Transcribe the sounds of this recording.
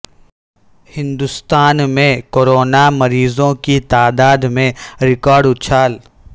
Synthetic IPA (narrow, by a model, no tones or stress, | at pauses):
hɪ̃nd̪ʊst̪aːnmẽkoːɾoːnamɐɾiːzõkit̪aːd̪aːd̪mẽɾɪkɔːɾɖʊt̪ʃʰaːl